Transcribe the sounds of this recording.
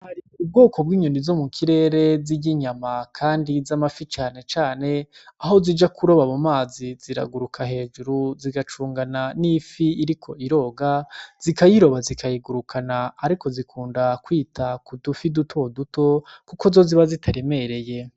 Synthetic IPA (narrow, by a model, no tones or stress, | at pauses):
haɾiub̚ɡo̞ːko̞b̚ɡiːɲonivzo̞mukʰiɾe̞ːɾe̞ziɟiɲamakʰaːndizamafit͡ʃaːne̞t͡ʃaːne̞aɦo̞zid͡ʒakʰuɾo̞βamumaːziz̥iɾa̰ɡuɾukʰahe̞ːd͡ʒuɾuziɡat͡ʃuːŋɡananifiiɾikʰo̞iɾo̞ːɡaz̥ikajiɾo̞βazikʰajiɡuɾukʰanaːɾiko̞zikʰuːndakwiːtʰakudufidutʰo̞duto̞kuko̞zo̞ziβazitʰaɾe̞me̞ɾe̞je̞